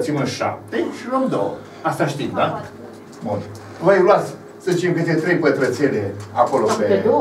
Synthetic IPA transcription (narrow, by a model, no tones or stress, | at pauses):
t̪simɨnʃa̰p̚t̪eʃiluomd̪o̰wə̰ | ast̪aʃt̪imd̪a | bun | vəjluat̪sʲ | sət͡ʃ̪imkɨt̪et̪ɾejpət̪ɾət̪seleako̞lopeo